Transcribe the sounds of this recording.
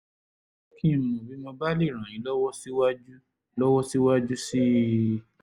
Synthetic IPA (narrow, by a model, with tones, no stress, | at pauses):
o˦kĩ˦˧˨nũ˨ũ˨bi˨˦mɔ̃˧ba˦li˦˨ɾ̃ã˨ĩ˨˦lɔ˦wɔ˦si˦wa˦d͡ʒu˦ | lɔ˦wɔ˦si˦wa˦d͡ʒu˦si˦